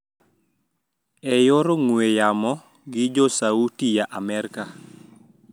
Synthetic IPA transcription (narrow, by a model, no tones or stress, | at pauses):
ɛjoɾoŋwejamɔ | ɡɪd͡ʒɔsautijaʔamɛɾka